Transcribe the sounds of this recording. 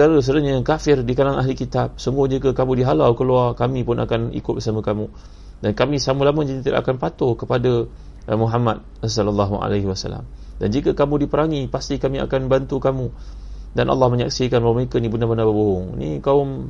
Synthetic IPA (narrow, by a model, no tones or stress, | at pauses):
aɾəs̬ədaɲəkafɪrdikanaŋaɦlikit̪ap̚səŋɡud͡ʒikəkamũdiɦalawkəluarkamĩpʊnʔa̰kanḭkʊt̪̚bəsaməkamu | dankamĩsaməlaməd͡ʒint̪ida̰ʔakanpat̪ʊkəpada | mũɦamat̪̚as̬alalːaɦuʔa̰laɦiwasa̰lːa̰m | dand͡ʒikəkamũdipəɾaŋipast̪ikamĩa̰kanbant̪ukamu | danʔa̰lːɑhmə̃ɲak̚sikanbawməekənibənabənabəboɦʊŋnḭkaʊm